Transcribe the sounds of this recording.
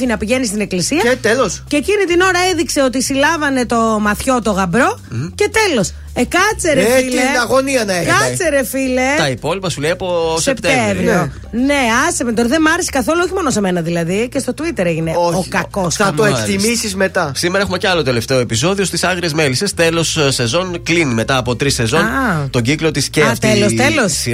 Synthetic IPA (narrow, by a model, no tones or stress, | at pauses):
inɐpiʝe̞nist̪ine̞klisiɐt̪elosceːcinit̪ino̞ɾɐeðikse̞o̞t̪isilɐvɐne̞t̪o̞mɐθço̞t̪o̞ɣɐbɾo̞ce̞t̪e̞lo̞s | ekɐt͡seɾefileɐɣoniɐnɐekɐt͡seɾefilet̪ɐipo̞lipɐsulejɐposept̪evɾio | ne̞ɐsevent̪oɾɐðemɐɾesi̥kɐθo̞luoçimo̞nose̞me̞nɐðilɐðicest̪o̞t̪uit̪e̞ɾeʝineookɐkosɐoekt̪imisizmet̪ɐsimeɾɐexumeceɐlo̞t̪e̞le̞ft̪e̞oepiso̞ðio̞st̪isɐɣɾiezmelisest̪e̞lo̞sse̞zo̞nklinime̞t̪ɐːpo̞t̪ɾise̞zo̞nt̪o̞ɟiklot̪isceɐft̪elost̪elos